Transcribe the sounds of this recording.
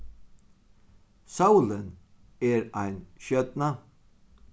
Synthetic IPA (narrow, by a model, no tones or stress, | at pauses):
saʊlən | eːɾæɪnʃœt̪na